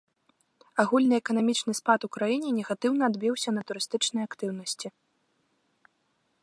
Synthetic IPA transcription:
aɣulʲnɨɛkɐnamʲit͡ʂnɨspat̪ukɾajinʲɛnʲɛɣat̪ɨwnɐːd̪bʲiwsʲɐnɐt̪uɾɨst̪ɨt͡ʂnɨjakt̪ɨwnɐsʲt͡sʲi

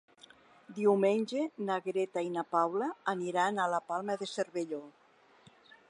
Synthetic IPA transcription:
d̪iwmenʲd͡ʒenaɣɾet̪ainapawlaːniɾanalapalˠmaðeseɾβeʎo

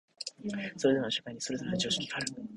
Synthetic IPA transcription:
so̞ɾed̪emnɕḁkaiɲ̟isoɾesoat͡ɕioːɕi̥kʲi̥kʰaɾɯ

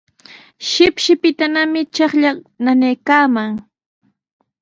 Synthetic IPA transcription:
ʃɪpʃɪpɪt̪anamɪt͡ʃɑχʎananejkaːmaŋ

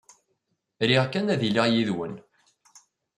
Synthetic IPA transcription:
ɾiʁkːænæðilijiðwən

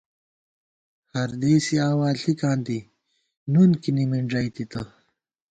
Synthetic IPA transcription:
hɐɾd̪eːsiaːwaːɬikãːnt̪i | nunkinimiɳɖɐjt̪it̪ɐ

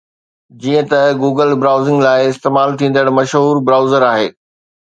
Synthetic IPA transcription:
d͡ʑiːə̃t̪ɐɡuːɡəlbɾaːʊzɪ̃ŋɡlaːɪɪst̪eːmaːlt̪ʰĩːnd̪əɽmɐʃɦuːɾbɾaːʊzəɾaːɦeː

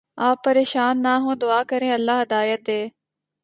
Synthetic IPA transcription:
aːpːəɾeːʃaːnːaːɦõːd̪ʊaːkəɾẽːɐlːaːɦɐd̪aːjət̪̚d̪eː

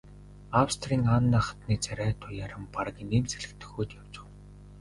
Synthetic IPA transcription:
awst̪ʰriːŋanːaːχḁt̪niːt͡sæɾʲæːt̪ʰʊjaːɾə̆mpar̆ɣʲiːneːmt͡seɮɘ̆kt̪ʰɵ̥̆xuːt̪jaw̥t͡ɕɪ̆w

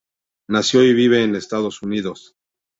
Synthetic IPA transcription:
nasjo̞iβiβ̞e̞ːnest̪aðo̞suniðo̞s

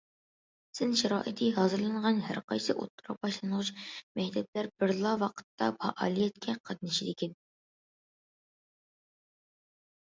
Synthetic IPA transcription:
sɪnʃɛɾɑːʔit̪ʰɨɦɑːzɨɾlˠɨɴʁɑnhæ̰ɾqɑjsɨʔo̰t̪ʰːuɾɑq̚bɑʃlˠɨnʁʊt͡ʃmɛjt̪ʰɛp̚læɾbɪɾlˠɑwɑqʰə̥t̪ːɑfʰɑ̰ʔɑ̰ːlˠijɛt̪kʲʰɛqʰɑd̪ɨnɨʃid̪ɪkʲʰɛn

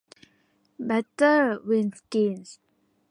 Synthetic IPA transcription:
bɛtəwĩnskẽns

